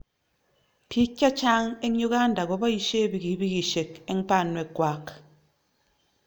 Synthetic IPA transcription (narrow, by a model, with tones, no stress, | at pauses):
pʰi˦kʲa˦t͡ʃa˦ŋe˦ɲo˦ka˦n̩˦da˨ɡo˨˦ba˦i˨ʃe˦˨bi˨ɡi˨˦bi˦ɡi˨ʃe˨ke˦m̩˦pa˦˨nwe˨kwa˨˦k